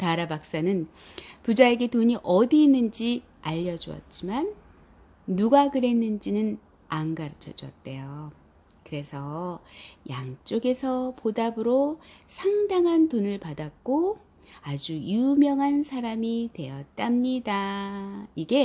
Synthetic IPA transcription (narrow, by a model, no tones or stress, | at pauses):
taɾabak̚s͈anɯn | pud͡ʑaeɡe̞toɲiʔʌdiːnːɯnd͡ʑi | aʎːʌd͡ʑuʌ̰t̚t͡ɕ͈imanː | uɡakɯɾe̞nːɯnd͡ʑinɯn | aŋɡaɾɯt͡ɕʰʌd͡ʑuʌ̰t̚t͈e̞jo | kɯɾe̞sʰʌ | jaŋt͡ɕ͈oɡe̞sʰʌpodabɯɾosʰaŋdaŋɦantonɯɭpadak̚k͈o | ad͡ʑujumjʌŋɦansʰaɾamitwe̞jʌt̚t͈amɲida | iɡe̞